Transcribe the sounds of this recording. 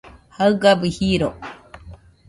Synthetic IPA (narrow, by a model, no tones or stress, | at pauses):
haɯɡabihiɾo